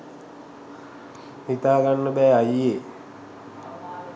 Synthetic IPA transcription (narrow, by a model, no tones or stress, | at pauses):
hit̪aːɡanːəbɛːaje